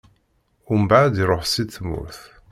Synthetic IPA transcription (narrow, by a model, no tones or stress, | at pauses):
ʊmbaʕd̪iɾˤoħsiθmʊ̰ɾθ